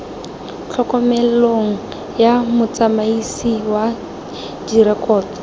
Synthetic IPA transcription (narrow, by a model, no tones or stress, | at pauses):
t͡ɬʰɔkɔmɛloŋ̩ | jamʊt͡samaisiwa | d͡ʒiɾɛkʼɔːtɔ̥